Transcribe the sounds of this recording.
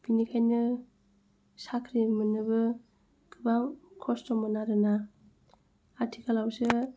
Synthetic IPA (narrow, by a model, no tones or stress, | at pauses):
b̥inikʰajnɯ | sakʰɾimɯnɯbɯ | kɯbaŋkʰɔstɔmɔnaɾɯna | aɾtʰikʰalawsɯ